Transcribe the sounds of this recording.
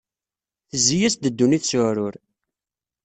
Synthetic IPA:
θəzːijæsd̪əd̪ːuniθsʊɾʊɾ

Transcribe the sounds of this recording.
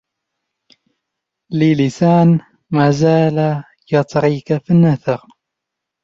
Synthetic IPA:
lilisaːn | maːzaːla | jɑt̪ˤɾiːkafinːaθɨɾ

